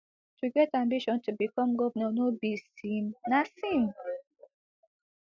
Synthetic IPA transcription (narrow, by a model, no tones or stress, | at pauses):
tʰuɡɛtãmbiʃɔ̃ntʰubikɔ̃mɡɔvnɔ̃nobisĩnnasĩm